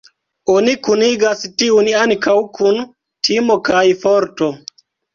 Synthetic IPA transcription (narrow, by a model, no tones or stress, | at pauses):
onikuniɡastiunaŋkawkʰun | tʰimo̞kajfoɾto̞